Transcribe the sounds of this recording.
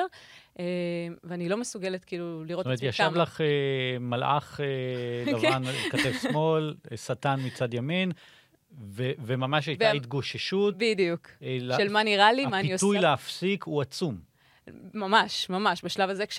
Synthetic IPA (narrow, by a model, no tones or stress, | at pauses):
ʔeveanilo̞mesuɡe̞let̪kiiluliʁotmetjjaʃavlaχemalʔa̰χelavanlkat̪efsmo̞lsat̪anmit͡sad̪jamin | vevemamaʃ̬ajvit̪̚ɡoʃiʃut̪bidijuklʃelmaniʁalimaniiot̪ujleafsikʰuat͡sum | mamaʃmamaʃbaʃlavazekʃ